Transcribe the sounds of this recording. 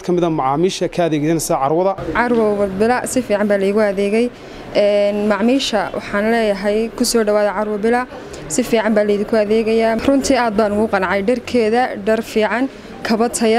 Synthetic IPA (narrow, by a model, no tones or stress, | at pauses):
kʰɐmɪðɐmɑʕaːmiːʃɐkʰɐːðɛːɣsɐnɛsɐʕɑɾwɐðɐʕɑɾwɐbɪlɐsɪfiːʕɑmbaːlɐjɣʊɐðɛːɣɛj | ʔɛːnmɑʕmiːʃɐwʔɑ̰ħɑːnlɛːjɐɦɛjkʰʊsɔːɖɐwaːðɐʕɑɾwɐbɪlɐ | sɪfiːʕɑmbaːlɐjðɪŋkʰʊɐðɛːɣɐjaːrʊnt̪ʰiːaːd̪̚baːnʊɣʊqɑnʕɑjɖɐrkʰɛːðɐɖɐrfiːʕɑŋ | kʰɐβɐt̪ʰɐjɐ